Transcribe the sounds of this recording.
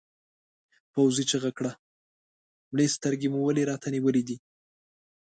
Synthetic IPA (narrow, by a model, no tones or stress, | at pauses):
pawzit͡ʃeɣakɽa | mlest̪əɾɡemuwəleɾɑt̪aniwəlid̪i